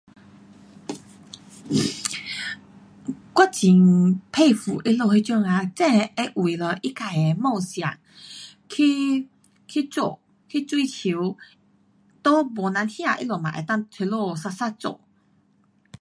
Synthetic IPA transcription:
kwa˦˥t͡ɕi˨˦ŋpʰe˥˧˨fu˨˩ʔi˦˥lo˥˧hi˧t͡ɕjɔ˥˧ŋa˧t͡sɛ̃˥˧e˧ʔwi˨˩lɔ˧ʔi˦˥ka˨˩e˨˦mɔ˥˧ŋsja̰˨˩ŋ | kʰi˦ | kʰi˦t͡so̰˥˧˩ | kʰi˦t͡swi˦t͡ɕʰi˧˦w | t̪ɔ˦bɔ˨na˨˦nhja˥˧ʔi˦˥lɔ˨˩mã̰˨ʔḛ˨˩t̪a˥˨ŋt͡sʰe˧lɔ˥˧sa˧sa˥t͡sɔ̰˨

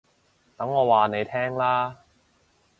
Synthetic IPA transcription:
t̪ɐ˨˥ŋːɔː˨˧waː˨˧ne˨˧jt̪ʰɛː˥ŋlaː˥

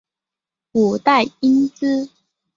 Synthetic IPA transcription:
ku˨˩t̪a˥˨ɪi˦nt͡sɹ̩˥

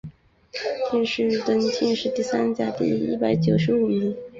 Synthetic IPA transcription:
t̪ʰjɛ˥˧nʂɻ̩˥˧ɻt̪ə˥nt͡ɕʰɛ˥˧nʂɻ̩˥˧t̪i˥˩sa˥nt͡ɕja˥t̪ḭ˥˧ḭ˥˩pa˧˩˥ɪt͡ɕjo˨˩ʊʂɻ̩˧˥u˨˩mi˧˥ŋ

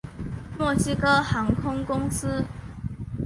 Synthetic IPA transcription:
mwɔ˥˩ɕi˥kɤ˥hɑ˧˦ŋkʰʊ˥ŋkʊ˥ŋs̩˦

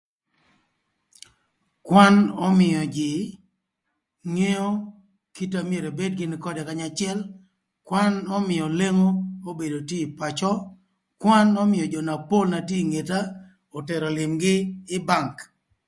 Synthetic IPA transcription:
kwa˦nɔ˦mɪ˨jɔ˨d͡ʒɪ˨ | ŋe˦o˦ | ki˦ta˦mɪ˦e˨ɾe˨be˦d̚ɡɪ˦nɪ˨kɔ˦dɛ˨ka˦ɲa˨t͡ʃɪɛ˦l | kwa˦nɔ˦mɪ˨jɔ˨le˦ŋo˦o˦be˨do˨te˦˨pa˨t͡ʃɔ˦ | kwa˦nɔ˦mɪ˨jɔ˨d͡ʒɔ˨na˨po˦lna˨tje˦˨ŋe˨ta˦ | o˨tɛ˨ɾɔ˨lɪ˨mɡɪ˦ɪ˦ba˦˨ŋk

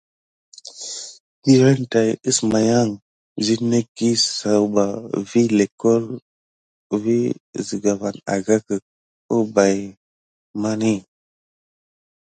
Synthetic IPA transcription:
pi˦ɾe˦n˨ta˨ji˦sma˨ja˦ŋ | zi˦ne˦ki˦sa˨wba˨vi˦le˨ko˦l | vi˦˨zi˨ɡa˨va˨na̰˨ɡa˦kə˨ | o˦ba˨j | ma˦ni˦

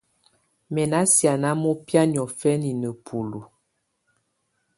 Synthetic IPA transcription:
mɛ˨na˦sja˨na˦mɔ˦pja˦ɲ˨ɔ˨fɛ˦ni˨nə˨pʰu˨lu˨

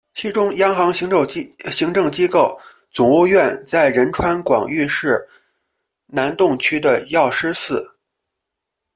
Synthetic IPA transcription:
t͡ɕʰi˧˥ʈ͡ʂʊ˥ŋjɑ˥ŋxɑ˧˥ŋɕɕi˧˥ŋʈ͡ʂɤ˥˩ŋt͡ɕi˥ko˥˩ʊ | t͡sʊ˨˩ŋu˥˧ɥɛ˥˧nt͡sa˥˩ɪɻə˧˥nʈ͡ʂʰwa˥nkwɑ̰˨˩ŋy˥˧ʂɻ̩˥˩ | na˧˥nt̪ʊ˥˩˧ŋt͡ɕʰy˥d̪ə˨jɑ˥˩ʊʂɻ̩˥sɹ̩˥˩

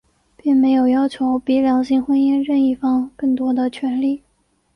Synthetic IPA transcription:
pi˥˩ŋme˧˥ɪjo˨˩ʊjɑ˥ʊt͡ɕʰjo˧˥ʊpi˧˥ljɑ˧˥ŋɕi˥ŋxwə˥ni˥˧nɻə˥˧ni˥˩fɑ˥ŋkɤ˥˩ŋt̪wɔ˥d̪ə˨t͡ɕʰɥɛ˧˥nli˥˩

